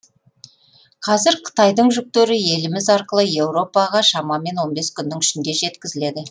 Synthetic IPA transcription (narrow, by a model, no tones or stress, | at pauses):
qʰɑzɪɾqʰə̥t̪ɑjd̪əɴʒʏk̚t̪eɾɪje̞lɪmɪzɑɾqəlˠəje̞wɾo̞pɑʁɑʃɑmɑme̞nwo̞nbe̞skʲʰʏnd̪ɪŋʏʃɪnd̪e̞ʒe̞t̪kʲɪzɪle̞d̪ɪ